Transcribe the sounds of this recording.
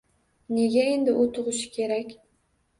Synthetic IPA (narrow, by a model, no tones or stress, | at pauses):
ne̞ɡʲae̞nd̪ɪʔʊt̪ʰʊʁʊʃɪ̥kʲʰe̞ɾakʲ